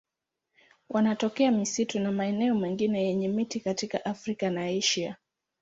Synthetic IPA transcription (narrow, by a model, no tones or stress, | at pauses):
wʔanatɔkɛamisitunamaɛnɛɔmɛŋɡinɛjɛɲɛmitikatikaʔafɾikanaiʃia